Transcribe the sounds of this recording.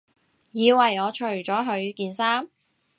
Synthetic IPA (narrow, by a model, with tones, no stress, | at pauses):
jiː˨˧wɐ˨˩jɔː˨˧t͡ʃʰɵ˨˩ɥt͡ʃɔː˨˥ɦɵ˨˧ɥkiː˧nsaː˥m